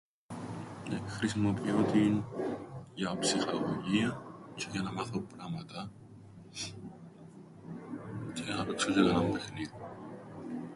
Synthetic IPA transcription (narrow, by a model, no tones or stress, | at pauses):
ekxɾisimo̞piot̪in | ʝɐpsixɐɣoʝiɐceʝɐnɐmɐθopɾɐmɐt̪ɐ | ceɐnɐpeksoceɣɐnɐmbe̞xniði